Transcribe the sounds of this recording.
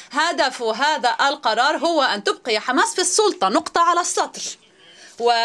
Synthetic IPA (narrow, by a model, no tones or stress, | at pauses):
had̪afɦaːðaʔalqɑɾˤɑːɾˤɦʊwaʔant̪ʊb̚qɪħamaːsfisˤːʊlt̪ˤɑnʊqt̪ˤɑʕalasˤːɑt̪ˤɾ | wɪ